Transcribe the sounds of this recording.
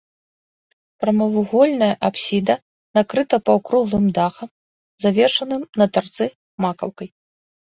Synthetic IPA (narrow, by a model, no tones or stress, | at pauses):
pɾɐmɐvuɣɔlʲnɐjɐʔapsʲid̪ɐ | nakɾɨt̪ɐpɐwkɾuɣlˠɨmd̪axɐm | zavʲɛrʂɐnɨmnɐt̪art̪sɨ | makɐ̰wkɐj